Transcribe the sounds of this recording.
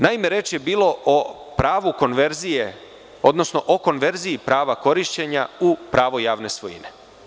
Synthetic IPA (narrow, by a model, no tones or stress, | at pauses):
naime̞ɾeːt͡ʃje̞biːlo̞ʔo | pɾaːʋuko̞nʋeɾzije | o̞̰d̪no̞sno̞ʔoko̞nʋe̞ɾziipɾaːʋako̞ɾiʃt͡ɕe̞ɲa̰upɾaːʋo̞jaːʋne̞sʋo̞jḭne̞